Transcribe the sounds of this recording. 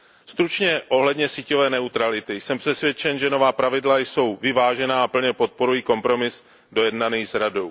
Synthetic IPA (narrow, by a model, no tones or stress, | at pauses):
st̪ɾut͡ʃɲɛʔo̞ɦlɛdɲɛsiːco̞vɛːnɛut̪ɾalɪt̪ɪjsɛmpr̥ɛsvjɛt͡ʃɛnʒɛno̞vaːpɾavɪdlajso̞wvɪvaːʒɛnaːapl̩ɲɛpo̞t̪̚po̞ɾujiːko̞mpɾo̞mɪs | do̞jɛdnaniːzɾado̞w